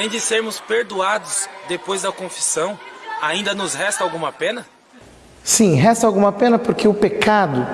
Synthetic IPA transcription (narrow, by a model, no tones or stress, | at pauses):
ẽj̃d͡ʒɪseɾmʊspeɾd̪uad̪ʊzd̪epojzd̪ɐkõfi̥sɐ̃w̃aĩnd̪ɐnʊzɦɛst̪ɐawɡũmɐpẽnɐ | sĩɦɛst̪ɐawɡũmɐpẽnɐpoɾkeʊpekad̪ʊ